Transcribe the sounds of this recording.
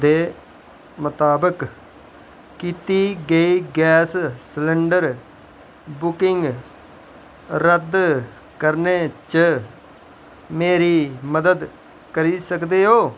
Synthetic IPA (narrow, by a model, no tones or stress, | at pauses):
d̪eː | mʊt̪aːbək | kiːt̪iːɡəiːɡɛːssləɳɖəɾ | bʊkɪŋɡ | ɾəd̪ | kəɾneːt͡ʃə | meːɾiːməd̪əd̪ | kəɾiːsəkd̪eːɦoː